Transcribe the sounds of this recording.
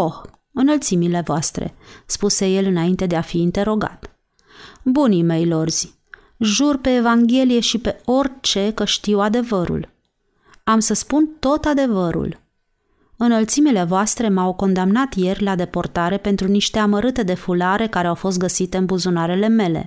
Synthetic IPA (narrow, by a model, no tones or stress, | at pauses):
ox | ɨnəlt̪simile̞voast̪ɾe̞̰spuse̞je̞lɨnaint̪e̞d̪e̞afiːnt̪e̞ɾo̞ɡa̰t̪ | bunime̞jlo̞rz̥ʲ | ʒurpe̞ːvaŋɡʲe̞lije̞ʃipe̞o̞rʲt͡ʃe̞kəʃt̪iwad̪e̞vəɾṵl | amsəspunt̪o̞t̪ad̪e̞vəɾṵl | ɨnəlt̪simile̞voast̪ɾe̞mawko̞nd̪amnat̪je̞rʲlad̪e̞port̪aɾe̞pe̞nt̪ɾuniʃt̪e̞aməɾɨt̪e̞d̪e̞fulaɾe̞kaɾe̞awfo̞s̬t̪ɡəsit̪e̞ɨnbuzunaɾe̞le̞me̞le̞̰